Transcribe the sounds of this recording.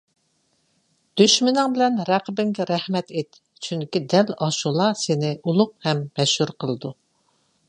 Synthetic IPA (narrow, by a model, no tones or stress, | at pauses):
d̪̥yʃmɪnɪŋbɪlɛnɾæqəbɪŋɡʲɛɾɛhmɛt̪et̪ | t͡ʃʰyŋkʲid̪ɛlɑʃulˠɑsɪnɪʔulˠʊq̚hɛmːɛʃhuɾqʰəlˠɨd̪u